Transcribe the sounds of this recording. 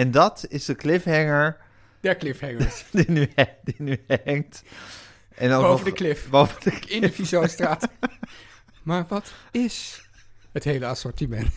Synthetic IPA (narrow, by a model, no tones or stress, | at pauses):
ɛndɑtɪzdəklɪfɦɛŋəɹ | d̥ɛɹklɪfhɛŋədinyɛdinyɛŋt | ʔɛnɔovədəklɪfbowvəndəkɪnəfizostraːt | maːɹʋɑtɪs | hətɦejləɑsɔɹtimɛnt